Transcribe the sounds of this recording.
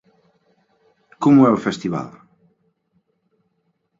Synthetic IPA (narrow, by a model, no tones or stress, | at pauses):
komʊɛofɛst̪iβa̰l